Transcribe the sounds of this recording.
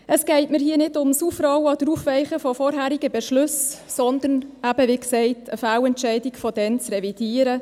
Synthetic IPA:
ʔəsɡ̥ɛɪtməɾhiːənɪdʊmsufɾɑwɑd̥əɾuːfʋɛɪχəfɔfɔɾɦæːɾɪɡəbɛʃlʉssɔnd̪ənæb̥əʋiksɛɪtʰəfæːwɛntt͡ʃɛɪdɪkfɔdɛnt͡srɛvid̥iːəɾə

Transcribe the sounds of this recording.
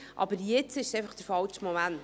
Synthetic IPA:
ʔɑ̰bəɾjɪt͡sɪʃsejfɑχd̥̪əɾfɑlt͡ʃmɔmæn

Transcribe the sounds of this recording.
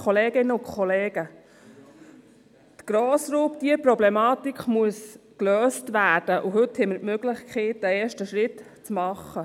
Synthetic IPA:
χoleːɡ̥ɪnːəʊkʰɔleːɡ̥ə | t̪ɡ̥ɾoːsɾuːpd̥iəpɾɔblɛmɑːt̪ikχmuəskløːstʋæːd̥əʔʊɦɵthɛməɾtmøɡlɪχkʰχiːt̚d̥æeːʃtəʃɾɪt | t͡smɑχə

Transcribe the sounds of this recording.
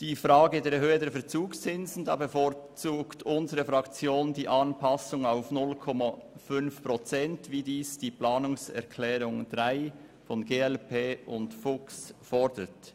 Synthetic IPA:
d̥iːfʁɑːɡədeːɐɾhøːədeːɐfɛːɐt͡suːkst͡sɪnzn̩dɑ̰ːbəfɔɾt͡suːktʰʊnzəʁəfʁɑkt͡sjoːndiːʔɑnpʰɑsʊŋaʊfnʊlkʰɔmafʏnfpʁɔt͡sɛntviːdiːsd̥iːplaːnʊŋsɛ̰ɐkʰlɛːɾʊŋd̥ʁaɪ | fɔnɡeːɛlpʰeːʊntfʊksfɔɾdət

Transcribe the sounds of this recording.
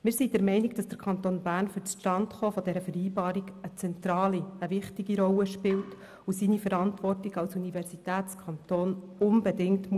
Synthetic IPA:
mɪːɾsid̥ɛɾmɛɪniɡ̚d̥ɑsd̥əɾkʰɑnt̪oːnbæːɾnfyɾt͡sʃtɑntχofɔd̥ɛɾəfɛɾiːbɑːɾiɡət͡sɛntɾɑːliəvɪχtɪɡiɾɔlːəʃpɪlt | usiːnifəɾɑntʋɔrtɪɡɑlsunivɛrsitæːtt͡skʰɑnt̪oːn | ʊnbɛdɪŋtm

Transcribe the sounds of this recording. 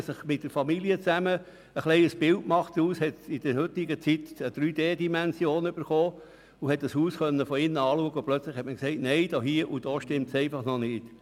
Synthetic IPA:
sɪχmɪt̚d̥əɾfɑmiliət͡sæmə | əχlɛɪəsb̥ɪltmɑχtuːshɛt̪ɪd̥əhʏt̪ɪɡət͡sit̪əd̥̪ɾyːd̥eːd̪imɛnsjoːnəʏb̥əɾχoː | uhɛt̚d̥ɑshuːsχœnːəfɔɪnɑːluəɡəʊplœt͡slɪχhɛtməkseɪtneɪd̥oɦiəʔud̥oːʃtɪmtseɪfɑχnɔnɪːt

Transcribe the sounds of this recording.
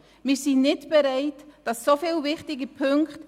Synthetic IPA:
mɪːɾsinnɪtb̥eɾaɪtd̥ɑsːofiːlvɪχtɪɡəpʰʏŋkt

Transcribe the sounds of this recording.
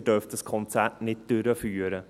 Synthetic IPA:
ɖœːft̪əskʰɔnt̪æʈnɪt̪ːʉɾəfyːɾə

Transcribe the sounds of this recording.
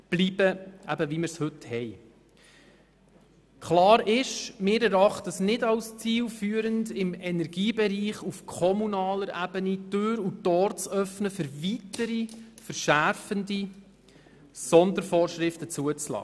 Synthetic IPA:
b̥liːb̥əæbəvimɪɾshɵthɛj | kʰlɑːɾɪʃmɪːɾɛɾɑχt̪əsnɪdɑwst͡siːlfyːəɾəndɪmɛnɛɾɡ̥iːbɛɾiːχufkʰɔmunɑːləɾʔæb̥ənitøːɾutɔːɾt͡sœfnəfəɾvitəɾifəɾʃæɾfəndi | sɔnd̪əɾfɔːɾʃɾɪftət͡suət͡slɑ̰ː

